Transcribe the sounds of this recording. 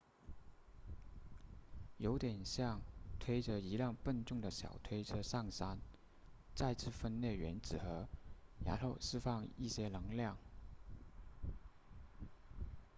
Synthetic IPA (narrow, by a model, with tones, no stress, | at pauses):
jo˧˥ʊt̪jɛ˨˩nɕjɑ˥˩ŋt̪ʰwe˥ɪʈ͡ʂə˧˨i˧˥ljɑ˥˧ŋpə˥˧nʈ͡ʂʊ˥˩ŋd̪ə˩ɕjɑ̰˨˩ʊt̪ʰwe˥ɪʈ͡ʂʰɤ˥ʂɑ˥˩ŋsa˥n | t͡sa˥˧ɪt͡sʰɹ̩˥˩fə˥nlɛ˥˩ɥɛ̰˧˥nt͡sɹ̩˨˩xɤ˧˥ja̰˧˥nxo˥˧ʊʂɻ̩˥fɑ˥˧ŋi˥˩ɕjɛ˥lɤ˧˥ŋljɑ˥˩ŋ